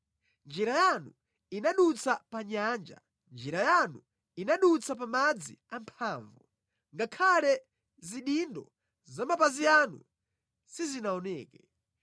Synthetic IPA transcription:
nd͡ʒɛɾajanu | inaɗut͡sapaɲaːnd͡ʒa̰ | nd͡ʒɛɾajanu | inaɗut͡sʰap̬amad͡zḭampʰaːɱvu | ŋɡakʰalɛ | ziɗindɔ̰ | zamapazianṵ | sizinaɔnɛːkɛ

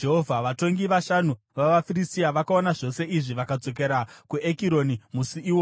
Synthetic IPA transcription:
d͡ʒeɦovʱaʋato̞ŋɡiʋaʃanu | ʋaʋafiristiaʋakaonaʐo̞se̞ʔiʐiʋakad͡zo̞k̬eɾakuekiɾo̞nimusiiːwo

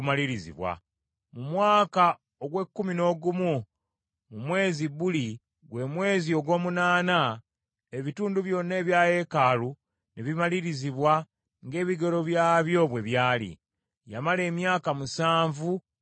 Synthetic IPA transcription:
maliɾizḭβwa̰ | mumwaːka | oɡwe̞kːumino̞ːɡumu | mumwe̞ːziβuli | ɡwe̞ːmwe̞ːzio̞ɡo̞ːmunaːna | eβituːnduβjo̞ːne̞ːβjaːje̞kaːlu | neβimaliɾiziβwa | ŋɡe̞ːβiɡe̞ɾo̞βjaːβjo̞βwe̞βjaːlḭ | jamale̞ːmjaːkamusaːɱvu

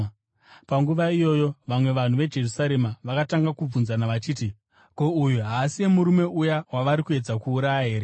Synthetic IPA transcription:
paŋɡuʋaijo̞ːjo̞ʋamwe̞ʋan̤uʋe̞d͡ʒe̞rusaɾe̞maʋakataŋɡakub͡vunzanaʋat͡ʃiːti | ko̞ujuɦaːsie̞muɾume̞ujawaʋaɾikue̞d͡zakuːɾajaɦe̞ːɾe

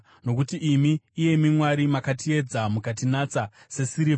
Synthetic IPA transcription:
no̞kutiʔːmiːje̞mimwaɾimakatie̞d͡zamukat̬inat͡sa | se̞siɾi

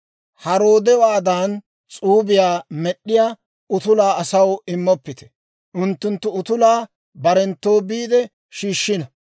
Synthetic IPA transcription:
hɐɾoːd̪ɛwaːd̪aːn | t͡sʼuːbɪjaːmɛɗːɪjaː | ʊt̪ʊlaːɐsɐwɪmːɔpːɪt̪ɛ̥ | ʔʊnt̪ːʊnt̪ːʊʊt̪ʊlaː | bɐɾɛnt̪ːo̞ːbiːd̪ɛ | ʃiːʃːɪnɐ

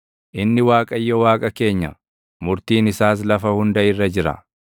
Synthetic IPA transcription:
ʔɪnːɪwaːkʼɐjːɔwaːkʼɐke̞ːɲːɐ̰ | mʊɾt̪iːnɪsaːs̬lɐfɐhʊnd̪ɐɪrːɐd͡ʒɪɾɐ̰

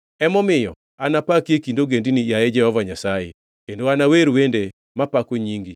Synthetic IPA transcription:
ɛmɔmɪjɔ̰ | anapakjekindoɡendinijajɛd͡ʒɛhɔvaɲasaje | kendoanaweɾwende | mapakoɲiŋɡi

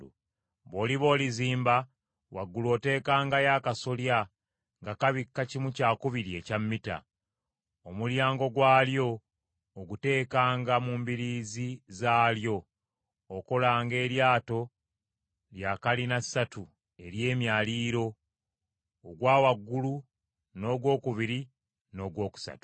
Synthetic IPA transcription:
βo̞ːliβo̞ːliziːmba | wa̰ɡːulo̞ːte̞ːkaːŋɡajaːkasolja | ŋɡakaβikːacimucaːkuβiɾie̞camːita̰ | omuljaːŋɡo̞ɡwaːljo̞ː | ɡute̞ːkaːŋɡamuːmbiɾiːzizaːljo̞ː | ko̞laːŋɡe̞ːɾjaːto̞ | ljakalinasatu | e̞ɾje̞ːmjaːliːɾo̞ | ɡwaːwaɡːulu | no̞ːɡwo̞ːkuβiɾi | no̞ːɡwo̞ːku̥sa̰tu̥

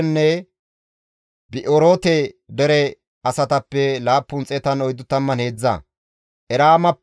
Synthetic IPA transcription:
nːɛ | bɪʔoɾoːt̪ɛd̪ɛɾɛ | ɐsɐt̪ɐpːɛlaːpːʊnt͡sʼɛt̪ɐnɔjd̪ːʊt̪ːɐmːɐne̞ːd͡zːɐ̰ | ʔɛɾaːmɐpː

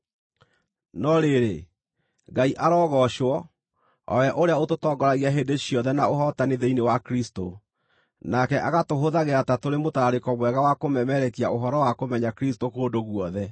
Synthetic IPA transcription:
nɔɾeɾe | ɡaiʔaɾɔːɣɔʃwɔ | ɔ̰wɛʔoɾeaototɔːɡɔɾaɣiaɦeːndeɕiɔðɛnaoɦɔtaneðeinewakɾisto | nakɛʔaɣatoɦoðaɣeatatoɾemotaɾaɾekɔmwɛɣawakomɛmɛɾɛkiaoɦɔɾɔwakomɛɲakɾistokoːndoɣwɔðɛ

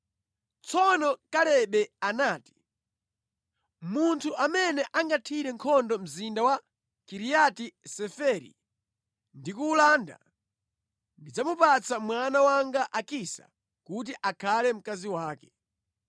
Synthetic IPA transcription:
t͡sʰɔnɔkalɛɓɛanaːti̥ | muntʰuʔamɛnɛʔaŋɡatʰiɾɛŋkʰɔndɔm̩zindawa | kiɾijatisɛfɛɾḭ | ndikuːlaːnda̰ | ndid͡zamupat͡sʰamwanawaŋɡaʔakisa̰ | kut̬iʔakʰalɛm̩kaziwaːkɛ̥

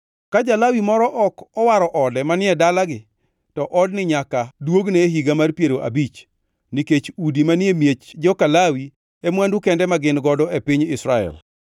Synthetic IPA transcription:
kad͡ʒalawimɔɾɔʔɔkɔwaɾɔʔɔdɛmanɪɛdalaɡɪ | tɔʔɔdnɪɲakadwoɡneɦiɡamarpjeɾoʔa̰bit͡ʃ | niket͡ʃudimanɪemjet͡ʃd͡ʒɔkalawi | emwandukɛndɛmaɡɪnɡɔdɔepiɲɪsɾaɛ̰l

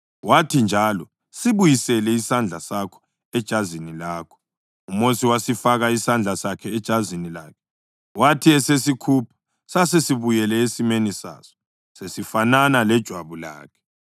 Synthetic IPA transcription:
watʰind͡ʒʱalɔ | siβujisɛlɛisand͡ɮʱasakʰɔ̥ | ɛd̥ʒ̥ʱazinilaːkʰɔ̥ | umosiwasifaɣaisand͡ɮʱasakʰɛːd̥ʒ̥ʱazinila̰ːkʰɛ̥ | watʰiɛsesikʰupʰḁ | sasesiβujɛlɛesimenisa̰ːsɔ̥ | sesifananalɛd̥ʒ̥ʱwaβula̰ːkʰɛ̥

